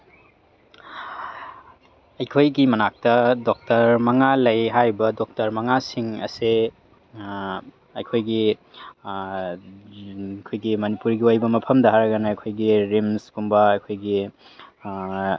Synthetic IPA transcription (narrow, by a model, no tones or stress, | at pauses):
ɐjkʰojɡimɐnak̚tɐdɔk̚tɐɾmɐŋalɐjɦajbɐdɔk̚tɐɾmɐŋasiŋɐ̰se | ɐjkʰojɡi | kʰojɡimɐnipuɾɡiojbɐmɐpʰɐmdɐɦaɾɐɡɐnɐːjkʰojɡiɾimskumbɐɐjkʰojɡi